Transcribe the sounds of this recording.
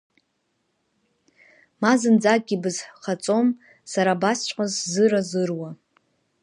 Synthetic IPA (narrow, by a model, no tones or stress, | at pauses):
mazɨnd͡zak̚ʼɡʲibɨzħχat͡sʼo̞m | saɾabast͡ʃʷʼqʷʼazzɨɾazɨrwa